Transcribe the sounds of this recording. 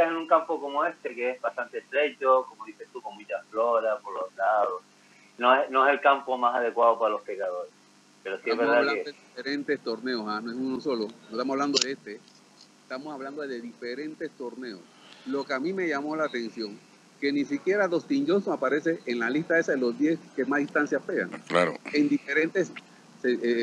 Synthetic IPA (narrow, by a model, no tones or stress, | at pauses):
asenuŋkampokomoe̞st̪e̞keezbast̪ant̪est̪ɾe̞t͡ʃokomo̞ðise̞st̪ukoŋmũt͡ʃasflo̞ɾaspoɾlolaðos | noesnoese̞lkampomasaðe̞kwaðopaɾalo̞spekaðo̞ɾes | pe̞ɾosieamβeɾðaβlanoðeifeɾent̪e̞st̪o̞ɾne̞osanoesunoso̞lonoet̪amoaβland̪oðeest̪e̞ | est̪amosaβland̪oðe̞ðife̞ɾe̞nt̪e̞st̪o̞ɾne̞o̰slo̞keamĩme̞ʝamo̞laːt̪e̞nsjo̞ŋ | ke̞nisikje̞ɾaðo̞st̪ind͡ʒosoapaɾe̞se̞ʔenlalist̪aesaðelo̞zðje̞skemasðist̪ansjaspeɣa̰ŋkla̰ɾ̰end̪ifeɾe̞nt̪es | se